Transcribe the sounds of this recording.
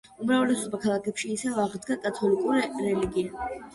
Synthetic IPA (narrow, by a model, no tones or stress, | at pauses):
umɾavɛlɛsɔbakʰalˠakʰɛpʃiːsɛvaʁd̪ɡakʼat̪ʰɔlikʼuɾiɾɛliɡia